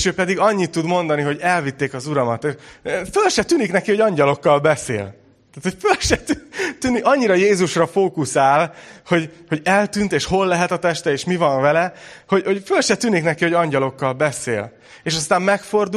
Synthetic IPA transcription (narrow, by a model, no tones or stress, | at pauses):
ʃøːpɛd̪iɡɒɲːit̪ːud̪mo̞nd̪ɒniɦo̞ɟɛlvit̪ːeːkɒzuɾɒmɒt̪efølʃɛt̪yːniknɛkiho̞ɟɒɲɟɒlo̞kːɒlbɛsḛːl | t̪aːt̪ho̞cfølʃɛt̪t̪yːniɒɲːiɾɒjeːzuʃrɒfoːkusaːlho̞ɟho̞ɟɛlt̪ynt̪eːʃho̞lːɛɦɛt̪ɒt̪ɛʃt̪ɛeːʃmivɒɱvɛlɛho̞ɟho̞ɟfølʃɛt̪yːniknɛkiho̞ɟɒɲɟɒlo̞kːɒlbɛsḛːl | eːʃɒst̪aːmmɛkfo̞rd̪u